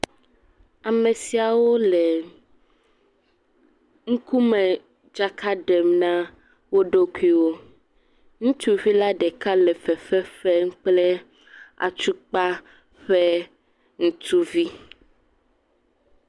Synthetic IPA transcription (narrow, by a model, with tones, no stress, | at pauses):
a˨mẽ˨si˨a˨wo˦le˨ | ŋ̩˦ku˦mɛ̃˨ | d͡ʒa˦kʰa˦ɖɛ˨mnã˦ | wo˦ɖo˦ku˦i˦wo˦ | ŋũ˦t̪u˦vi˦la˦ɖɛ˨ka˦lɛ˨fɛ˨ɸɛ˦ɸɛ˦ŋ̩˦k͡plɛ˦ | a̰˨t͡ʃu˦k͡pa˦ | ɸe˦ | ŋũ˦t̪u˦vi˦